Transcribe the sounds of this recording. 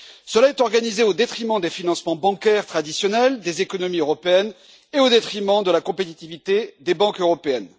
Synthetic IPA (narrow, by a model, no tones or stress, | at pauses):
səlaɛt̪ɔʁɡanizeod̪et̪χimɑ̃d̪efinɑ̃smɑ̃bɑ̃kʲɛʁt̪χad̪isjɔnɛld̪ezekɔnɔmiøʁɔpeɛn | eod̪et̪χimɑ̃d̪əlakɔ̃pet̪it̪ivit̪ed̪ebɑ̃køʁɔpeɛn